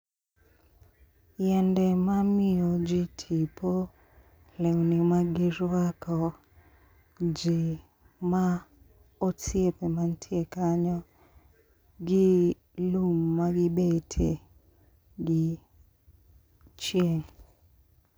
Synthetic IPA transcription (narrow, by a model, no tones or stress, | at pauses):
jɛndɛmamɪod͡ʒitʰipʰo | lɛwnimaɡɪɾwakɔ | d͡ʒi | ma | osjepemantʰiekaɲɔ | ɡɪ | lumːaɡɪbetʰe | ɡi | t͡ʃjeŋ